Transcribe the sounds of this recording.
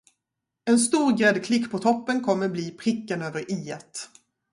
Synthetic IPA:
ɛnst̪uːɾɡɾɛd̪kʰlɪkːpʰɔt̪ʰɔpːənkʰɔmːəɾbliːpʰɾɪkːənøːvəɾʔiːɛt̪

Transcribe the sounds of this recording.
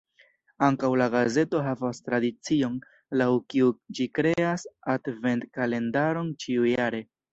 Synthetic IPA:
aŋkawlaɡaze̞to̞ɦavastɾadit͡sio̞n | lawkiud͡ʒikɾe̞asadve̞ntkale̞ndaɾo̞nt͡ʃiujaɾe̞

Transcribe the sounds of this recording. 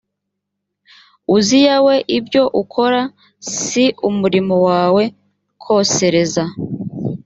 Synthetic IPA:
uzijawe̞ʔibjo̞ʔukʰo̞ɾa | siumuɾimowaːwe̞ | kʰo̞ːse̞ɾe̞za

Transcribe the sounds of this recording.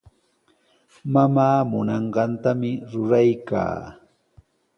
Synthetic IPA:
mamaːmʊnɑɴɢɑnt̪amɪɾʊɾajka̰ː

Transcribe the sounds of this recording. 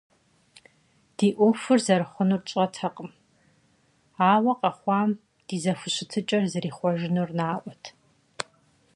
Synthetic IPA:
d̥iːʔʷʊfʊrzɐɾɨχʷʊnurt͡ʃʼɐtʰɐqʼəm | aːwɐqʼɐχʷɑːm | d̥iːzɐfʷʊɕɪtʰɨt͡ʃʼɐrzɨɾiːχʷɔʒɪnurnaːʔʷɔtʰ

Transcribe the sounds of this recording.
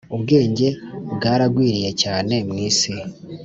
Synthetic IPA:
uβɡe̞ːɲɟe̞bɡaːɾaɡwiːɾije̞caːne̞mŋiːsi

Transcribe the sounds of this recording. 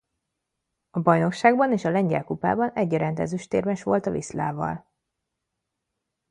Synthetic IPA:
ɒbɒjno̞kʃaːɡbɒneːʃɒlɛɲɟɛ̰lkupa̰ːbɒnɛɟːɛɾɛnt̪ɛ̰zyʃt̪eːrmɛʃʋo̞lt̪ɒvisla̰ːvɒ̰l

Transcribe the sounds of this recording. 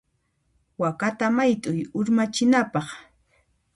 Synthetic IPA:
wakat̪amajt̪ʼʊjʊɾmat͡ʃɪnapɑχ

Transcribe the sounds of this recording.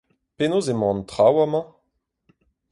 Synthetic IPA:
penozemɑ̃nt̪ʁawamɑ̃

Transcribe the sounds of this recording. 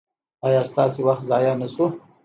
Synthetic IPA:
ɑjɑst̪ɑsewaxt̪zɑjanasu

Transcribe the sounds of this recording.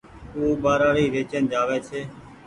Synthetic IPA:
oːbaːɾaːɾiːɾeːt͡ʃẽːnd͡ʒaːʋeːt͡ʃʰeː

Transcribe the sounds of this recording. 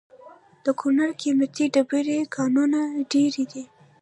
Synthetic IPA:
d̪̥əkʰunaɽkimjat̪iɖabiɾekʰɑnunaɖeɾid̪i

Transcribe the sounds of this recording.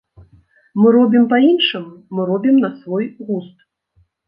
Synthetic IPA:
mɨɾɔbʲimpɐinʂɨmːɨɾɔbʲimnɐsvɔjɣust̪

